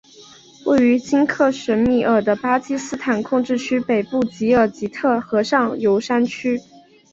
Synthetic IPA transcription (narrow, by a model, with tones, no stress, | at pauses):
we˥˩ɪy˧˥t͡ɕi˥nkʰɤ˥˩ɕə˧˥nmi˥˩ʔə˞˨˩d̪ə˦pa˥t͡ɕi˥sɹ̩˥t̪ʰa˨˩nkʰʊ˥˧ŋʈ͡ʂɻ̩˥˩t͡ɕʰy˥pe˨˩ɪpu˥˩t͡ɕi˧˥ə˞˨˩t͡ɕi˧˥t̪ʰɤ˥˩xɤ˧˥ʂɑ˥˩ŋjo˧˥ʊʂa˥nt͡ɕʰy˥